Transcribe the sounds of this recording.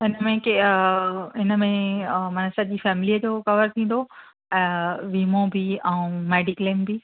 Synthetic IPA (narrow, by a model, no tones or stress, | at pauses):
ɪnəmẽke | ɪnəmẽmɐnsɐʄiːfɛːmliəd͡ʑokɐʋəɾt̪ʰĩːn̆d̪o | ɛ̃ːʋiːmõbʱiɛ̃ũmɛːɖiklembʱi